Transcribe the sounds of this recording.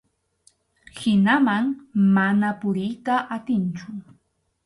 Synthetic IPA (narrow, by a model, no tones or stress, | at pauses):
hɪnamaŋmanapʊɾɪjt̪aʔat̪ɪnt͡ʃʊ